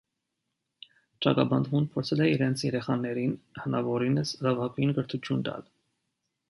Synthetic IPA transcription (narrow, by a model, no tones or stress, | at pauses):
t͡ʃɑ̰kɑbɑnd̪munpʰɔɾt͡sʰɛlɛiɾɛnt͡sʰjɛɾɛχɑnɛɾinhənɑvɔɾinəsrɑvɑkinɡəɾt̪ʰut͡ʃʰjund̪ɑ̰l